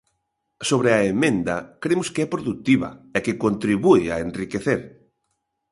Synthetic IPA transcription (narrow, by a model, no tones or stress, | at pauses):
soβ̞ɾeɐemẽnd̪ɐkɾemʊskeɛpɾoðut̪iβɐ̰ɛkɪkont̪ɾiβuɪɐ̰enrikeθeɾ